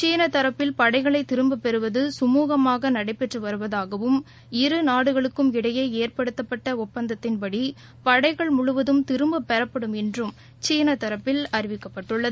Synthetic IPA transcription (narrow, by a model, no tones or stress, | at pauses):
t͡ʃiːnɐt̪ɐɾɐpːɪlpɐɽɐɪɣɐɭɐɪt̪ːɪɾɯmbɐpɛɾɯʋɐðɯsʊmuːɣɐmaːɣɐnɐɽɐɪpːɛʈrɯʋɐɾɯʋɐðaːɣɐʋɯm | ɪɾɯnaːɽɯɣɐɭɯkːɯmɪɽɐjeːeːrpɐɽɯt̪ːɐpːɐʈːɐʊpːɐnd̪ɐt̪ːɪnpɐɽi | pɐɽɐɪɣɐɭmʊɻʊʋɐðɯmt̪ɪɾɯmbɐpːɛɾɐpːɐɽɯmɛndrɯm | t͡ʃiːnɐt̪ːɐɾɐpːɪlɐɾɪʋɪkːɐpːɐʈːɯɭːɐðɯ